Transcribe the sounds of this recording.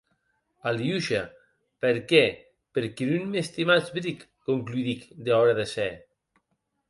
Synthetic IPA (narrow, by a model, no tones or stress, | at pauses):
aljuʃa | peɾkɛ | peɾkinunmest̪imat͡sbɾikːoŋkluiðikd̪eɔɾaðesɛ